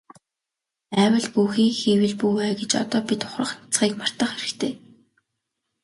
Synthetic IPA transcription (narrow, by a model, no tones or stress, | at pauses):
æːwə̆ɮpuːxiːŋxiːwɘ̆ɮpuːwæːɡet͡ɕɔ̰t̪ɔːpit̪ʰʊ̥χrə̆χnḁt͡sχiːkmar̥t̪ə̆χeɾɘ̆kt̪ʰeː